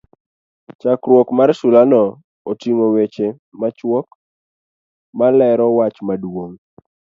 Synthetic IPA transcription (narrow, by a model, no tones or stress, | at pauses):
t͡ʃakɾwɔkmarsulanɔ | otiŋowet͡ʃe | mat͡ʃwɔk̚ | malɛɾɔwat͡ʃmadwoŋ